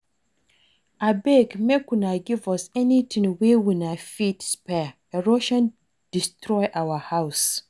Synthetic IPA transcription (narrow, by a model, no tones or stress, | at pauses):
abekmekũnaɡivɔsɛnitʰɪ̃ŋwewĩnãfitspʰɛ | ɛɾoʃãn | d̥istʰɾɔɪʔawahaʊs